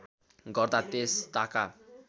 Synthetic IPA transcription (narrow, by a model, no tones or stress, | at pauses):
ɡʌrd̪at̪est̪aka